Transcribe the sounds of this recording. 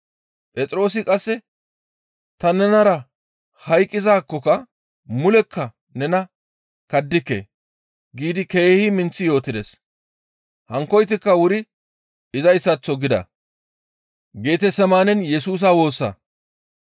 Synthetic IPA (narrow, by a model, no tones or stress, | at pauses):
pʼɛt͡sʼɾo̞ːs̬ɪkʼɐsːɛ | t̪ɐnɛnɐɾɐ | hɐjkʼːɪzaːkːɔkɐ | mʊlɛkʰːɐ | nɛnɐ | kɐd̪ːɪkːḛ | ɡiːd̪ɪke̞ːhɪmɪnt͡sːɪjo̞ːt̪ːɪd̪ɛs | hɐŋkːɔjt̪ɪkːɐwʊɾɪ | ɪzɐjsːɐt͡sːɔɡɪd̪ɐ̰ | ɡe̞ːt̪ɛsɛmaːnɛnjɛsuːs̬awo̞ːsːɐ̰